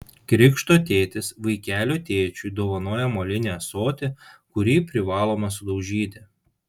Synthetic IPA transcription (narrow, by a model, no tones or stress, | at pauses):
kɾʲɪkʃt̪oːt̪ʲeːt̪ʲɪsʋɐɪkʲæːlʲoːt̪ʲeːt͡ʃʲud̪oːʋɐnoɔjɛmolʲɪnʲæsoːt̪ʲekʊɾʲiːpʲɾʲɪʋɑːlˠoːmɐsʊd̪ɐʊʒʲiːd̪ʲɪ